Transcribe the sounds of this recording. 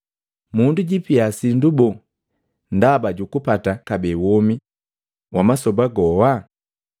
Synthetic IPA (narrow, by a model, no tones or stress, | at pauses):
munduɟipiasindubɔ | ndabaɟukupatakabɛwɔmi | wʔamasɔbaɡɔwa